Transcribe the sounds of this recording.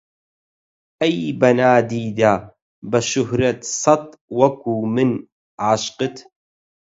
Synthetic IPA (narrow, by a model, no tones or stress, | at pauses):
ʔajbɐnaːd̪iːd̪a | bɐʃʊhɾɐt̪sˤɑt̪̚ˤ | wɐkuːmɪn | ʕaʃqɨt̪